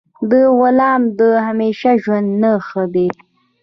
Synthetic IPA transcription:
d̪əwʊlɑːmd̪əhameʃaʒwand̪nəxəd̪e

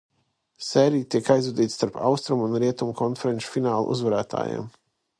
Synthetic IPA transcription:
sɛːɾiːt̪iɛkajzud̪iːt̪st̪aɾpʰa̰wst̪ɾumunɾiɛt̪umkɔnfɛɾɛnt͡ʃu̥finaːlˠṵʔṵzvaɾæːt̪ʰa̰ːja̰ːm

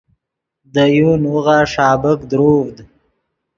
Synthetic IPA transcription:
d̪əjunwuɣaʂɑːbəkd̪ɾoːvd̪

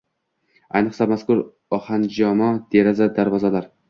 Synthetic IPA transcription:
ajnɨqsamaskʊɾ | ɒhand͡ʒɒmɒd̪̥eɾazad̪aɾvɒzalaɾ

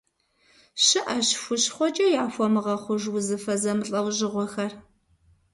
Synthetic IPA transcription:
ɕɨʔɐɕxʷʊɕχʷɔt͡ʃʼɐjaːfʷɔmɨʁɐχʷʊʒwʊzɨfɐzɐmɨɬʼɐwʑɪʁʷɔxɐr

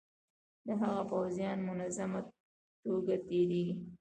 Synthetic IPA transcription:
d̪əɦaɣapawzjɑnmʊnazama | t̪oɡat̪eɾi

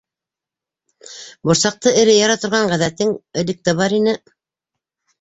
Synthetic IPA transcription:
bŏɾsɑq̚t̪ɤɘ̆ɾɘjɑɾɑt̪ŏɾʁɑɴʁæðæt̪ːɘŋɘ̆lɘ̆k̚t̪ɘβɑɾinɘ

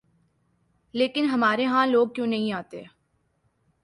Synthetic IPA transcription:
leːkɪnɦɐmaːɾeɦãːloːɡ̚kjõːnɐɦĩaːt̪e

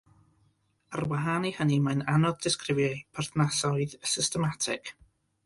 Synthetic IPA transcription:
ərwaɦanihənimajnanɔðdɪskrɪvjapʰarθnasɔɨðəsɪstɛmatʰɪk

